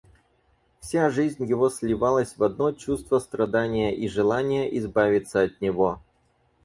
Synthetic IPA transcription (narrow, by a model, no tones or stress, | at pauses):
fsʲaʐɨzʲnʲjɪvo̞sʲlʲɪvalˠəsʲvɐd̪no̞t͡ɕust̪vəst̪rɐd̪anʲɪjəʔiʐɨlˠanʲɪjəʔɪzbavʲɪt̪səɐt̪nʲɪvo̞